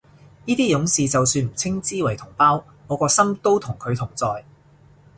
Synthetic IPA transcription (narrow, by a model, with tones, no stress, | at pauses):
niː˥t̪iː˥jʊ˨˥ŋsiː˨t͡sɐ˨wsyː˧nm̩˨˩t͡sʰɪ˥ŋt͡siː˥wɐ˨˩jt̪ʰʊ˨˩ŋpaː˥w | ŋɔː˨˧kɔː˧sɐ˥mt̪o˥wt̪ʰʊ˨˩ŋkʰɵ˨˧ɥt̪ʰʊ˨˩ŋt͡sɔː˨j